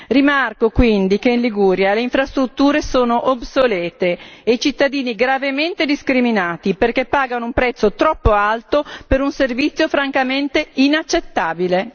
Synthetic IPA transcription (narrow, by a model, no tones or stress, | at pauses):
rimarkokwind̪ikeinliɡuːɾjaleiɱfɾast̪ɾut̪ːuːɾesoːnoʔobsolɛːt̪eːit͡ʃit̪ːad̪iːniɡɾavement̪ed̪iskɾiminaːt̪iperkepːaːɡanoumpɾɛt̪sːot̪ɾɔpːoalt̪opeɾunservit̪sːjofɾaŋkament̪einat͡ʃːet̪ːaːbile